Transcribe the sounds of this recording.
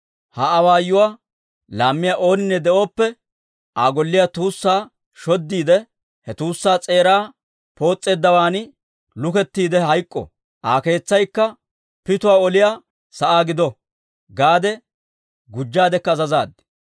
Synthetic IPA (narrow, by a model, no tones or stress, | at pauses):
hɐːwaːjːʊwaː | laːmːɪjaːʔo̞ːnɪnːɛd̪ɛʔo̞ːpːɛ | ʔaːɡɔlːɪjaːt̪uːsːaː | ʃɔd̪ːiːd̪ɛ | hɛt̪uːsːaːt͡sʼe̞ːɾaː | po̞ːt͡sʼːe̞ːd̪ːɐwaːnɪ | lʊkɛt̪ːiːd̪ɛɦɐjkʼːɔ̰ | ʔaːke̞ːt͡sːɐjkːɐ | pɪt̪ʊwaːɔlɪjaː | sɐʔaːɡɪd̪ɔ | ɡaːd̪ɛ | ɡʊd͡ʒːaːd̪ɛkːɐzɐzaːd̪